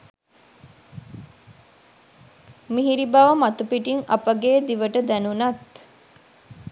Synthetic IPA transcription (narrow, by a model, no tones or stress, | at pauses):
miɦiɾibaʋəmat̪upiʈiŋɐpəɡeːd̪iʋəʈəd̪ænunɐt̪